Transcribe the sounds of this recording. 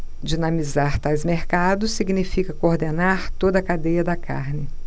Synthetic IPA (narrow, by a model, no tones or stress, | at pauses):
d͡ʒinɐ̃mizaɾt̪ajzmeɾkad̪ʊsːiɡnifikɐkooɾd̪enaɾt̪od̪ɐkad̪ejɐd̪ɐka̰ɾnɪ